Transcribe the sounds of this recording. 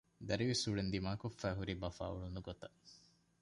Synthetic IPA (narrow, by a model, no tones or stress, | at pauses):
d̪ɐɾiʋisuɭend̪imaːkofːæːɦuɾibɐfa̰ːṵɭunuɡot̪ɐ